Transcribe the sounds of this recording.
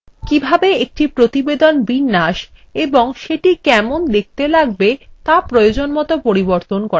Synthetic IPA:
kibʱabeek̚ʈipɾot̪ibed̪onbinːaʃ | eboŋʃeʈikɛmond̪ek̚ʰt̪elaɡ̚bet̪apɾojod͡ʑonmɔt̪opoɾiboɾt̪onkɔɾa

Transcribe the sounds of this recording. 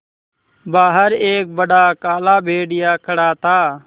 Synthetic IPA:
baːɦəɾeːk̚bəɖaːkaːlaːbʱeːɖɪjaːkʰəɽaːt̪aː

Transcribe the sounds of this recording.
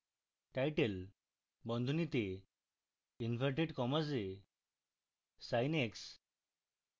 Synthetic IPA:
ʈajʈel | bɔ̃nd̪ʱunit̪e | infəɾʈeɖkɔmase | sajneks

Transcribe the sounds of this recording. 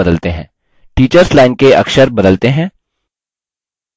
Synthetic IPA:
ɐd̪əlt̪eɦɛ̰̃ː | ʈiːt͡ʃəɾslaːɪnkeɐ̰kʃəɾbɐd̪əlt̪eɦɛ̃ː

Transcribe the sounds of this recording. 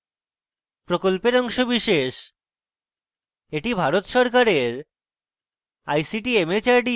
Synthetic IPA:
pɾokolpeɾɔŋʃobiʃeʃ | eʈibʱaɾot̪ʃɔɾk̬aɾeɾ | ajsiʈiemet͡ɕaɾɖi

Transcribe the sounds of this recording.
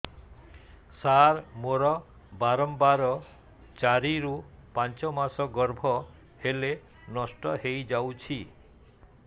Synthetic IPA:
saɾmoɾɔ | baɾɔmbaɾɔ | t͡ʃaɾiɾupant͡ʃɔmasɔɡɔɾbʱɔ | hele | nɔsʈɔɦejd͡ʒawt͡ʃʰi

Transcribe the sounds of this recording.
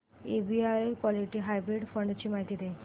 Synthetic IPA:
ebiajekwɔliʈiɦajbɾiɖfəɳɖt͡ɕiːmaɦit̪iːd̪e

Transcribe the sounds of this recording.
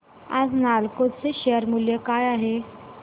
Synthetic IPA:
a̰d͡znalkot͡seɕeəɾmuljəkajaɦe

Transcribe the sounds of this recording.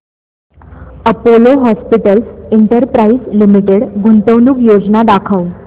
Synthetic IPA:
əpoloɦɔspiʈəlseɳʈəɾpɾaislimiʈeɽɡunt̪əʋnuːkjod͡znad̪akʰəw

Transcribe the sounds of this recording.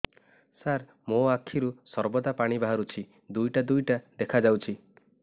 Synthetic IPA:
saɾ | moakʰːiɾusɔɾbɔd̪apaɽ̃ibaɦaɾut͡ʃʰi | d̪ujʈad̪ujʈad̪ekʰad͡ʒawt͡ʃʰi

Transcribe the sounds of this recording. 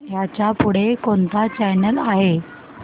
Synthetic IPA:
jat͡ɕapuɽ̤ekont̪at͡ɕɛjnəlaɦe

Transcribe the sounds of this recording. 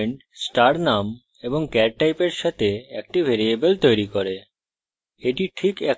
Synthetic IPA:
ɳʈsʈaɾnam | eboŋkɛɾʈajpeɾʃat̪ʰeɛk̚ʈibʱeɾiebelt̪ojɾikoɾe | eʈiʈʰikɛk

